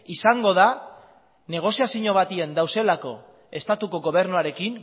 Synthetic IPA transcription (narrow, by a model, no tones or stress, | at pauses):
isaŋɡo̞ð̞a | ne̞ɣ̞o̞siasiɲo̞β̞at̪ie̞nd̪awse̞lako̞ | e̞st̪at̪uko̞ɣo̞β̞e̞ɾnuaɾe̞kin